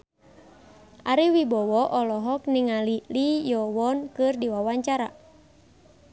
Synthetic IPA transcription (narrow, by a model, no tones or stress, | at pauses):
ʔaɾiwibɔwɔʔɔlɔɦɔk̚niŋalilijɔwɔnkɨrdiwawaɲt͡ʃaɾa̰